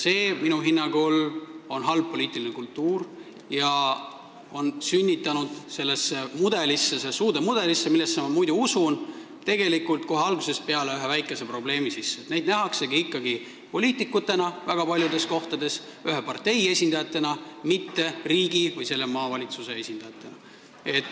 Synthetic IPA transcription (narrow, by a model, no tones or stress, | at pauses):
se̞ːminuɦinːɑɡolo̞nɦɑlb̚pːo̞liːt̪ːˑilinekult̪ːuːr | jɑ | o̞nsynʲːit̪ːˑɑnud̪̥se̞lːesːemud̪̥e̞lisːesesuːd̪̥emud̪̥e̞lisːemilːesːemɑmujd̪̥uusun | t̪e̞ɡe̞likult̪̚ko̞ɦeɑlɡ̥use̞spe̞ɑle̞yɦe̞væjkːˑe̞se̞pro̞ble̞ːmisisːet̪ne̞jd̪næɦɑkse̞ɡiikːɑɡi | po̞lʲiːt̪ˑikːˑut̪ːe̞nɑvæɡ̥ɑpɑlʲjud̪e̞sko̞ht̪ɑd̪e̞syɦe̞pɑrt̪e̞je̞sʲind̪ɑjɑt̪ːˑe̞nɑmit̪ːe̞riːɡivɯjse̞lːemɑːvɑlʲit̪suse̞e̞sʲind̪ɑjɑt̪ːˑe̞nɑ | e̞t̪ːˑ